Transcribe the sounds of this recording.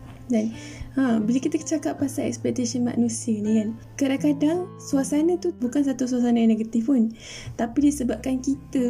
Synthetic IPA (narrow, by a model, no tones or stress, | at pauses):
d͡ʒan | ʔãbiləkit̪ət͡ʃakapːasaʔɛ̰kspɛt̪asənma̰nũsiənĩjan | kadaŋkadaŋ | suasanat̪ubukans̬at̪us̬uas̬anajaneɡat̪ifpʊn | t̪apidisəbap̚kankit̪ə